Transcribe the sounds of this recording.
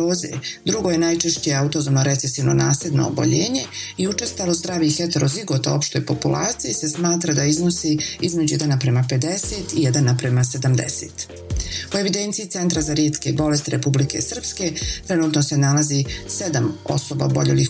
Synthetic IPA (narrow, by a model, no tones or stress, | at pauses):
oːzḛd̪ɾuɡo̞je̞najt͡ʃe̞ʃt͡ɕeaut̪ozomnoɾe̞t̪sesiʋno̞̰naːsled̪no̞̰o̰bo̞̰ʎeːɲe̞iut͡ʃest̪alozd̪ɾaːʋixet̪eɾo̞ziɡo̞t̪ao̞pʃt̪o̞jpo̞pulˠʔa̰ːt̪sijise̞smaːt̪ɾad̪aiznosiizme̞d͡ʑujed̪anapɾe̞mape̞d̪e̞se̞ːt̪ijed̪anapɾemase̞d̪amd̪ḛsḛːt̪ | oe̞ʋid̪e̞nt̪siːt̪e̞nt̪ɾazaɾjeːt̪kebo̞le̞st̪iɾepublike̞̰sr̩pske̞t̪ɾenuːt̪nose̞nalazise̞d̪amo̞̰so̞ba̰obo̞̰ʎeli